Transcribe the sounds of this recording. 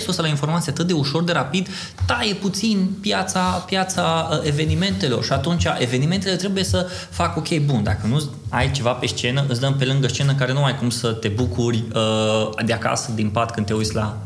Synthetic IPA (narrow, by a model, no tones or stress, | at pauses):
spusəlainfo̞rmat̪sijat̪ɨt̪̚d̪euʃo̞rd̪e̞ɾapid̪ | t̪aje̞put̪sinpjat̪sapjat̪saəe̞ve̞nime̞nt̪e̞lo̞rʃiat̪unt͡ʃʲaʔe̞ve̞nime̞nt̪elet̪ɾe̞buje̞sə | fako̞kʰʲe̞jbund̪a̰kənu | ajt͡ʃe̞vape̞st͡ʃe̞nəʔɨt̪sd̪əmpe̞lɨŋɡəst͡ʃe̞nək̬aɾe̞numajkumsət̪e̞bukurʲəd̪eaka̰səd̪inpat̪kɨnt̪e̞uj̪sʲla̰